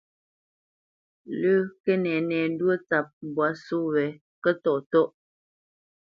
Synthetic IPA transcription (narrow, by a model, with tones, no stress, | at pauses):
lə˦kɛ˦nɛ˨nɛ˨n̩˦dwə˦t͡sa˨p̚m˨bwa˨˦su˦wɛ˨ | kə˦tɔ˦˨ʔtɔ˦ʔ